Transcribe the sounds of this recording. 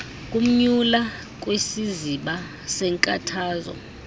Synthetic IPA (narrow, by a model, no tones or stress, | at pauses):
kʼum̩ɲula | k̬ʼwesiziɓa | sɛŋkʼatʰaːzɔ̰